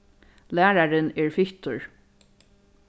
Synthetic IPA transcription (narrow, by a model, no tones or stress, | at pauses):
læːɹaɹɪnɛːɹfɪht̪ʊɹ